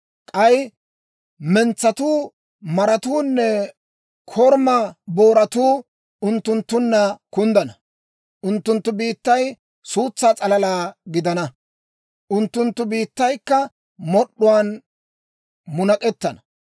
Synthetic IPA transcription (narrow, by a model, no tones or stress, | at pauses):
kʼɐj | mɛnt͡sːɐt̪uː | mɐɾɐt̪uːnːɛ | kʰɔɾmɐboːɾɐt̪uː | ʊnt̪ːʊnt̪ːʊnːɐkʊnd̪ɐnɐ | ʔʊnt̪ːʊnt̪ːʊbiːt̪ːɐj | suːt͡sːaːt͡sʼɐlɐlaːɡɪd̪ɐnɐ | ʔʊnt̪ːʊnt̪ːʊbiːt̪ːɐjkːɐ | mɔɗːʊwaːn | mʊnɐkʼɛt̪ːɐnɐ